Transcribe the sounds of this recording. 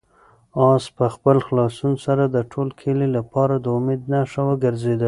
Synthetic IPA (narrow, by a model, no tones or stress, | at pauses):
ɑspəxpəlxlɑsunsaɾad̪əʈʰolkʰelilapɑɾad̪əʊmed̪naʂawəɡəɾzed̪a